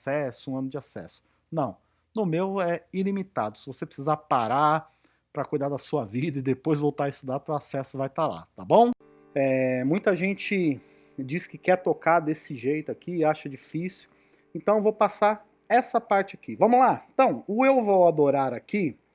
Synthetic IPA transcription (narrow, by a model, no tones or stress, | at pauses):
sɛsʊũɐ̃nʊd͡ʒɪasɛ̰sʊ̥ | nɐ̃w̃ | nʊmewɛilimit̪a̰d̪ʊ̥sɪvosepɾɪ̥sizapaɾa | pɾɐkujd̪ad̪ɐsuɐvid̪ɐɪd̪epojzvowt̪aɾɪst̪ʊd̪at̪ʊasɛsʊvajt̪ala̰t̪abõw̃ | ɛmũj̃t̪ɐʒẽnt͡ʃɪ | d͡ʒiskɪkɛɾt̪okaɾd̪esɪʒejt̪ʊakiaʃɐd͡ʒifisʊ̥ | ẽnt̪ɐ̃w̃ewvowpasaɾ | ɛsɐpaɾt͡ʃɪakivɐ̃mʊlaẽt̪ɐ̃w̃ʊewvowad̪oɾaɾaki